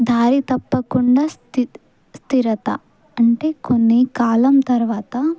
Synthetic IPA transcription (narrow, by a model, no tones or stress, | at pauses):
d̪ʱaːɾit̪ɐpːɐkuɳɖaːst̪ | st̪iɾɐt̪ɐ̰ | ɐɳʈe̞ːkonːikaːlɐmt̪ɐɾʋaːt̪ɐ